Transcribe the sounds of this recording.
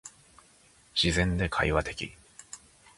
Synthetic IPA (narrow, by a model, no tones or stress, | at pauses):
ɕizẽ̞nd̪e̞kʰaiβat̪e̞kʲḭ